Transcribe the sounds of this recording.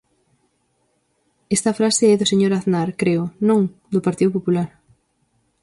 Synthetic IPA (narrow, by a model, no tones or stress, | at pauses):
est̪ɐfɾaseɛðʊseɲoɾaðnaɾkɾeʊnõŋd̪opaɾt̪iðʊpopulaɾ